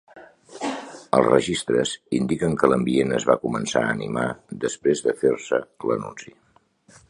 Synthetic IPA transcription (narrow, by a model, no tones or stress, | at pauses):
əlˠzrəʒist̪ɾəzind̪ikəŋkələmbienəzβakumənsa̰əːnimaðəspɾezðəfersələ̰nunsi